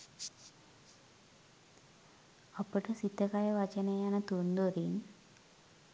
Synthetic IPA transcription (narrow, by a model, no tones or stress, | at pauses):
apəʈəsit̪ːəkajəʋat͡ʃənejanət̪und̪oɾin